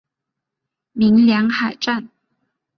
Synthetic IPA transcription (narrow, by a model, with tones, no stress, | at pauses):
mi˧˥ŋljɑ˧˥ŋxa˨˩ɪʈ͡ʂa˥˩n